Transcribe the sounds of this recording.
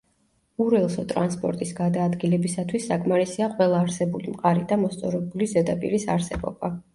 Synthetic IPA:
uɾɛlˠsɔt̪ʼɾa̰nspʼɔ̰ɾt̪ʼisɡad̪aːd̪ɡilɛbisat̪ʰwisːakʼmaɾisiaqʼwɛlˠaːɾsɛbulimqʼaɾid̪amɔst̪sʼɔɾɛbulizɛd̪apʼḭɾisa̰ɾsɛbɔ̰ba

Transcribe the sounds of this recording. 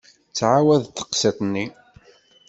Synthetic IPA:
t͡sːʕawæðt̪ːə̥qsit̪ˤnːi

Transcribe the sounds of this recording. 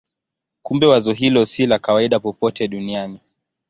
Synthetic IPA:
kumbɛwazɔɦilɔsilakawaiɗapɔpɔtɛɗuniani

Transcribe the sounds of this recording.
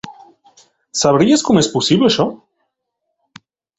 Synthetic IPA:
saβɾiaskomoesposiβleʃo

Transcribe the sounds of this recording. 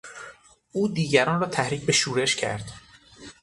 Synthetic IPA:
ʔuːd̪iːɟæɾɒːnrɒːt̪ʰæhɾiːcbe̞ʃuːɾe̞ʃcʰæ̰ɾd̪̥

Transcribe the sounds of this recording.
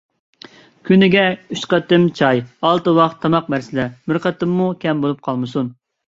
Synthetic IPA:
kʲʰynɪɡʲɛyʃqɑt̪ɪmt͡ʃʰɑjɑlˠt̪ɨwɑqt̪ʰːɑmɑq̚mɛɾsɪlɛmyɾqət̪ɪmːukʲɛmbolˠup̚qʰɑlˠmɨsun

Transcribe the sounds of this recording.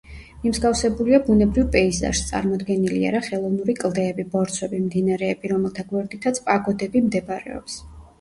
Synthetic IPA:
mimzɡafsɛbuliabunɛbɾivpʼɛiza̰ʃst̪sʼa̰ɾmɔd̪ɡɛnilia̰ɾaχɛlˠɔvnuɾikʼlˠd̪ɛːbibɔɾt̪sʰwɛbimd̪inaɾɛːbiɾɔmɛlˠt̪ʰaɡwɛɾd̪it̪ʰat̪sʰpʼaɡɔd̪ɛbimd̪ɛbaɾɛ̰ɔ̰ps

